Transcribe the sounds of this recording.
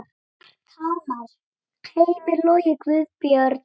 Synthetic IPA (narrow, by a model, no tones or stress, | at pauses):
t̪ʰamaɾ̥ | kʰejmɪlɔjɪkvʏðpjœɾt̪